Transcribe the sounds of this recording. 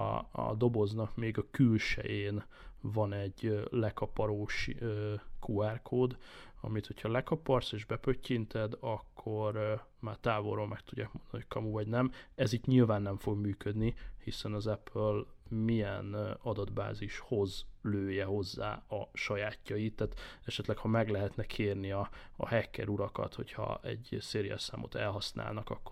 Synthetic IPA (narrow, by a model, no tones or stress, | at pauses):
d̪o̞bo̞znɒkmeːɡɒkylʃɛ̰jeːn | vɒnɛɟlɛkɒpɒɾoːʃøkʰuɛrkʰoːd̪ɒ̰mit̪ho̞chɒlɛkɒpɒrseːʒbɛpøcːint̪ʰɛd̪ɒkʰːo̞ɾmaːrt̪aːvoroːlmɛkt̪uɟːaːkmond̪ɒnihockʰɒmuvɒɟnɛmɛziːt̪ɲilvaːnːɛɱfo̞ɡmyːkød̪nihisɛnɒzɛpʰølmijɛnɒd̪ɒd̪ba̰ːziʃho̞zløːjɛho̞zːa̰ːɒʃɒjaːcːɒjit̪ːaːt̪ɛʃɛt̪lɛkhɒmɛɡlɛɦɛt̪nɛkʰeːrniɒ̰ːhɛkːɛ̰ɾuɾɒkɒ̰t̪ho̞̰chɒ̰ɛ̰ɟseːɾijɛ̰sa̰ːmo̰t̪ɛlɦɒsna̰ːlnɒkɒkːo